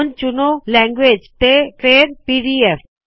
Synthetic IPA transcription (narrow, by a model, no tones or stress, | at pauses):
nt͡ʃʊnolɛ̃ːŋɡʋeːd͡ʒt̪eʈɾeːɾpiːɽiɛf